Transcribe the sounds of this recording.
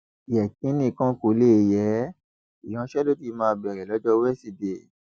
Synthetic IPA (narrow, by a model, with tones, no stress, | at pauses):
i˨ɛ˨kĩ˨˦nĩ˦˨kã˦ko˨˧˦le˦˨jɛ˨˦ | i˨j̃ɔ̃˨˦ʃɛ˦lo˦ti˧˦mãː˧bɛ˨ɾɛ˨lɔ˨˦d͡ʒɔ˧wɛ˦si˧de˨